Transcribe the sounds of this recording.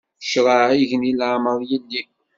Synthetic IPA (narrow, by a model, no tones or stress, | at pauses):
ʃʁaiʝənilʕməðˤjilːi